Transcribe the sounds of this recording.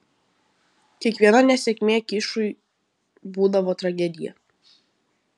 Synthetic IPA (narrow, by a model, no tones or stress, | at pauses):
kʲiɛkʋʲiɛnɐnʲɛsʲɛkʲmʲeːkʲɪʃʊɪ | buːd̪ɐʋoːt̪ɾɐɡʲɛd̪ʲɪjɛ̰